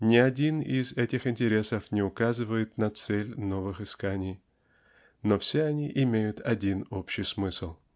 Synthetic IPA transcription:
nʲɪɐdʲinɪzɛtʲɪxɪnʲtʲɪɾʲe̞səfnʲɪʊkazɨvəjɪt̪nɐt̪sɛlʲno̞vɨxɨskanʲɪj | nofsʲeɐnʲiʔɪmʲejʊt̪ɐdʲino̞pɕɪjsmɨsɨlˠ

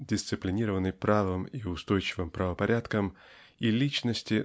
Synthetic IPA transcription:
dʲɪst̪sɨplʲɪnʲiɾəvənːɨjpɾavɨmiʊst̪o̞jt͡ɕɪvɨmpɾəvəpɐɾʲʔat̪kəm | ilʲit͡ɕnəsʲtʲɪ

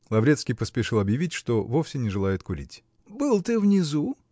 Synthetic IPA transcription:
lˠɐvɾʲet̪skʲijpəspʲɪʂɨlˠɐbjɪvʲitʲʂt̪ovofsʲɪnʲɪʐɨlˠajɪt̪kʊɾʲḭtʲ | bɨlˠt̪ɨvnʲɪzu

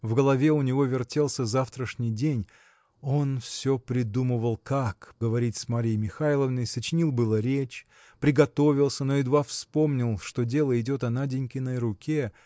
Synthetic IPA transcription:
vɡəlˠɐvʲe̞ʊnʲɪvo̞vʲɪrtʲelˠsʲəzaft̪ɾəʂnʲɪjdʲenʲ | o̞nfsʲopɾʲɪd̪umɨvəlˠkakɡəvɐɾʲit̪ʲsmaɾʲɪjmʲɪxajlˠəvnəjsət͡ɕɪnʲilˠbɨlˠəɾʲet͡ɕ | pɾʲɪɡɐt̪o̞vʲɪlˠsʲəno̞ɪd̪vafspo̞mnʲɪlˠʂt̪o̞dʲe̞lˠəɪdʲo̞t̪ɐnadʲɪnʲkʲɪnəjɾʊkʲe

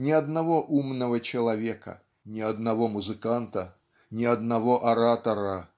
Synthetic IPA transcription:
nʲɪɐd̪navɔʔumnəvət͡ɕɪlˠɐvʲɛkɐ̰ | nʲɪɐd̪navɔmuzɨkant̪ə | nʲɪɐd̪navɔʔɐɾat̪ɐɾɐ

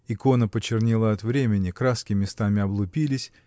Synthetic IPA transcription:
ɪko̞nəpət͡ɕːɪrnʲilˠəɐt̪vɾʲemʲɪnʲɪkɾaskʲɪmʲɪst̪amʲɪɐblˠʊpʲilʲɪsʲ

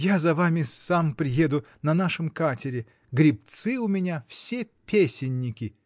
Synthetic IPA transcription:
jazɐvamʲɪsampɾʲɪjed̪ʊ | nɐnaʂɨmkatʲɪɾʲɪ | ɡɾʲɪpt̪sɨʊmʲɪnʲafsʲe | pʲesʲɪnʲːɪkʲɪ

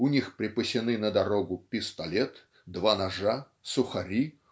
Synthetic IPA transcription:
ʊnʲixpɾʲɪpəsʲɪnɨnəd̪ɐɾoɡʊpʲɪst̪ɐlʲet̪ | d̪vanɐʐa | sʊxɐɾʲi

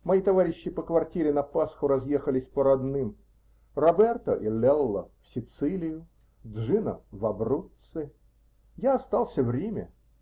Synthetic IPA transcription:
mɐit̪ɐvaɾʲɪɕːɪpəkvɐrtʲiɾʲɪnɐpasxʊɾɐzjexəlʲɪsʲpəɾɐd̪nɨm | rɐbɛrt̪əʔilʲɛlˠːəfsʲɪt̪sɨlʲɪjʊ | d̪ʐɨnəvɐbrut̪sɨ | jaɐst̪alˠsʲəvɾʲemʲə

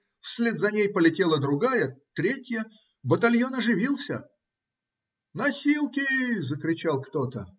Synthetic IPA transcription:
fsʲlʲe̞d̪zɐnʲejpəlʲɪtʲe̞lˠəd̪ɾʊɡajət̪ɾʲetʲjə | bət̪alʲjo̞nɐʐɨvʲilˠsʲə̰ | nɐsʲilˠkʲɪzəkɾʲɪt͡ɕalˠkt̪ot̪ə

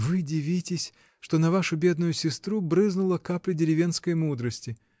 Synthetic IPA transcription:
vɨdʲɪvʲitʲɪsʲ | ʂt̪onɐvaʂʊbʲe̞d̪nʊjʊsʲɪst̪ɾubɾɨznʊlˠəkaplʲɪdʲɪɾʲɪvʲe̞nskəjmud̪ɾəsʲtʲɪ

